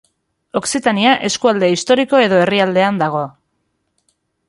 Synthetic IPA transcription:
o̞ksit̪aniaʔe̞skuald̪e̞ist̪oɾiko̞e̞ðo̞e̞riald̪e̞and̪aɣ̞o̞

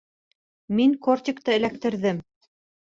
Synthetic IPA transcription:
miŋkort̪ʲɪkt̪ɤɘ̆læk̚t̪ɘ̆ɾðɘm

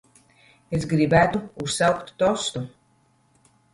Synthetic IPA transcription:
es̬ɡɾibæt̪uussawkt̪ːɔst̪u

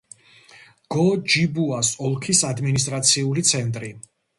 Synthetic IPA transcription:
ɡ̥ɔd͡ʒibuasɔlˠkʰisad̪minis̬t̪ʼɾat̪sʰiulit̪sʰɛnt̪ʼɾi

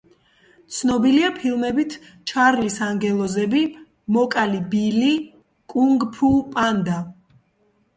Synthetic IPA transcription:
t̪sʰnɔbiliapʰilˠmɛbit̪ʰ | t͡ʃʰaɾlisaŋɡɛlˠɔzɛbi | mɔkʼalibili | kʼuŋɡpʰupʼand̪a

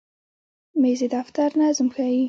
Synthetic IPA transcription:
mezed̪aft̪aɾnazʊmxaji

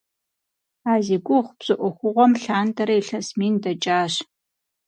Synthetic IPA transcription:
aːziɡʷʊχʷb̥z̥ɨʔʷɔxʷʊʁʷɔmɬaːndɐɾɐiɬɐsmiːndɐt͡ʃʼaːɕ

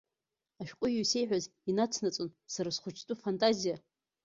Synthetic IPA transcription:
aʃᶣqʷʼʊjuse̞jħʷᶣaz | inat͡sʰnat͡sʼonsaɾasχʷʊt͡ʃʰtʼʊfantʼazija

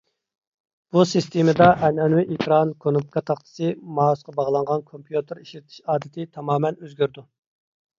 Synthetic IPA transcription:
b̥usɨst̪ʰemɨd̪ɑʔɛnɛnwɪʔekʰɾɑnkʰonup̚kʰɑt̪ʰɑχt̪ʰɨ̥sɨmɑːsqɑbɑʁlˠɑɴʁɑnkʰompʰjut̪ɨɾiʃlɪt̪ʰɪ̥ʃɑːd̪ɪt̪ʰɪt̪ʰɑmɑːmɛnøzɡʲøɾd̪u

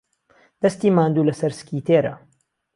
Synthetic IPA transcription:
d̪̥ɐst̪iːmaːnd̪uːlɐsɐɾskiːt̪eːɾɐ̰

